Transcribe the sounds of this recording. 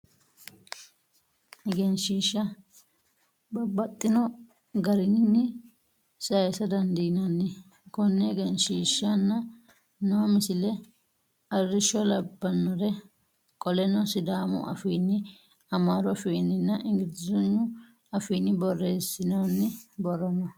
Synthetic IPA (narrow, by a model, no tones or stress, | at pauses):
ɛɡɛnʃiːʃːɐ | bɐbɐt̪ʼːɪnɔ | ɡɐɾɪnnːɪ | sɐjsɐd̪ɐnd̪inanːɪ | kɔnːɛɡɛnʃiːʃːɐnːɐ | nɐwmɪsɪlɛ | ɐrːɪʃɔlɐbːɐnːɔɾɛ | kʼɔlɛnɔsɪd̪aːmʊ̰ʔɐ̰fiːnːɪ | ɐmaːɾɔfiːnːɪnːɐʔɪŋɡɪɾd̪ɪzɔnːʊ | ɐfiːnːɪbɔrːeːsːɪnɐnːɪbɔrɐnɐ